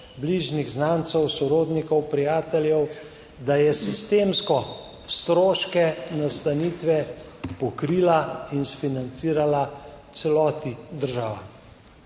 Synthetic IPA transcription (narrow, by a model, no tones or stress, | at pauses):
bliʒniɣznaːnt̪sɛwsɔɾoːd̪nikɔwpɾijaːt̪ɛljɛw | d̪ajɛsist̪emskɔ | st̪ɾoːʃkɛnast̪aniːt̪ʋɛ | pɔkɾiːlainsfinant̪siːɾalat̪sɛlɔːt̪id̪əɾʒaːʋa̰